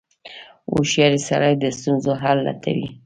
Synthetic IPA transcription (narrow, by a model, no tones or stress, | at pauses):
o̰ʃjɑɾisaɾajd̪əst̪unzoɦalːa̰t̪ʰa̰wḭ